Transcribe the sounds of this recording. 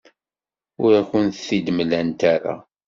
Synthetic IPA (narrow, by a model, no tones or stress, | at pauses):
ʊɾaçʊnθθid̪mlænt̪æɾa̰